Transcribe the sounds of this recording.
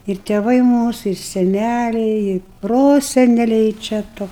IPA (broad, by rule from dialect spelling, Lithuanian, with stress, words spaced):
ɪr tʲeːˈʋɐɪ ˈmuːsʊ ɪr sʲɛˈnʲælʲɛɪ ɪ ˈproːsʲɛnʲɛlʲɛɪ t͡ʃʲɛ ˈtoː